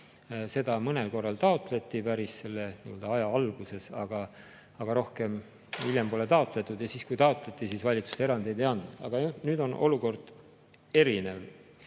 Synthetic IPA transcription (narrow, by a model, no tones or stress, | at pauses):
se̞d̪ɑmɤne̞lko̞rːɑlt̪ɑo̞t̪ˑle̞t̪ˑːipæɾisse̞lːe̞niøld̪ɑɑjɑɑlɡ̥use̞sɑ̰ɡ̥ɑ | ɑɡ̥ɑɾo̞hke̞m | ilʲjempo̞le̞t̪ɑo̞t̪ˑle̞t̪ːˑud̪jɑsiːskujt̪ɑot̪ˑle̞t̪ːˑisiːsvɑlʲit̪su̥see̞ɾɑnd̪ejd̪e̞jɑnd̪ɑ̰ɡ̥ɑnyːd̪o̞nʔo̞luko̞rd̪̥ | e̞ɾine̞v